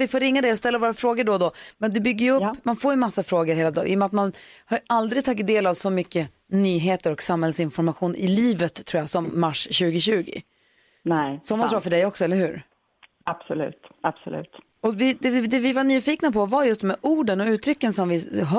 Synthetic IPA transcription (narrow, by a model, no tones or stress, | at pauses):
vɪfoːɾɪŋːad̪ɛɔst̪ɛlːaɾvoːɾafɾoːɡəɖɔd̪ɔmɛnd̪ɛbʏɡːəjɵɵpːmanfoːɾjɵmasːafɾoːɡəɾheːlad̪ɔ̰ɪ̰jɔmat̪manhaɾʔald̪ɾɪɡt̪ʰɑːɡɪt̪d̪eːlavsɔmʏkːə | nyːɦeːt̪əɾɔksamhɛlsɪnfɔɾmaɧuːnʔɪ̰liːvət̪ʰːɾuːjasɔmːaʂɕʉ̟ːɡɪɕʉ̟ːɡɪ̰ | nɛsɔmasɾɑːfœɖɛjɔksɔɛlːəɾhʉ̟ːɾ | ab̥sɔlʉ̰ːt̪ab̥sɔ̰lʉ̰ːt̪ | ɔvɪd̪ɛd̪ɛvɪvaɳyːfiːknapʰɔvaɾjɵst̪mɛʔuːɖənɔʉ̟ːt̪ʰɾʏkːənsɔmvɪɦ